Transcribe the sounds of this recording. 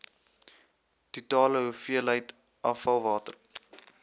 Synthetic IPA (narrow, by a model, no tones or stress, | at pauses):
d̥itɑːləɦufiələjt | ʔɑfɐlˠvɑːtər